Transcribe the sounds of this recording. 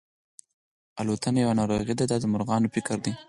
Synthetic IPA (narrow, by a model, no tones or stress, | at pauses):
alot̪anajawanɑɾoɣid̪ad̪ɑd̪əmʊɾɣɑnofɪkɾd̪i